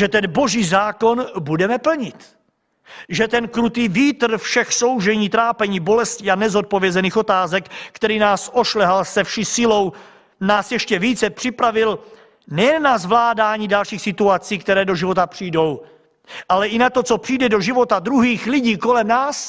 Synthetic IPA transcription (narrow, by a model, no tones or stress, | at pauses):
ʒɛt̪ɛnbo̞ʒiːzaːko̞nbudɛmɛpl̩ɲɪt̪ | ʒɛt̪ɛnkɾut̪iːviːt̪r̩fʃɛxso̞wʒɛɲiːt̪ɾaːpɛɲiːbo̞lɛsciːanɛzo̞t̪̚povjɛzɛniːxo̞t̪aːzɛkkt̪ɛɾiːnaːsʔoʃlɛɦalsɛfʃiːsɪlo̞w | naːsjɛʃcɛviːt͡sɛpr̥ɪpɾavɪl | nɛjɛnːazvlaːdaːɲiːdalʃiːxsɪt̪uat͡siːkt̪ɛɾɛːdo̞ʒɪvo̞t̪apr̝̥ijdo̞w | ʔalɛʔɪnat̪o̞t͡so̞pr̝̥ijdɛdo̞ʒɪvo̞t̪ad̪ɾuɦiːxlɪɟiːko̞lɛmnaːs